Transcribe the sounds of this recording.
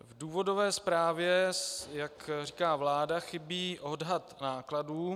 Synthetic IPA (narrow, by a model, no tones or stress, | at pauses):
vduːvo̞do̞vɛːspɾaːvjɛjakriːkaːvlaːdaxɪbiːʔo̞dɦat̪naːkladuː